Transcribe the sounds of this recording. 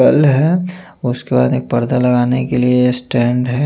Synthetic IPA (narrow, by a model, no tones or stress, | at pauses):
ɐlɦɛː | ʊskeba̰ːd̪eːk̚pɐɾd̪alɐɡaːnekeliesʈɛ̃ːɳɖɦɛː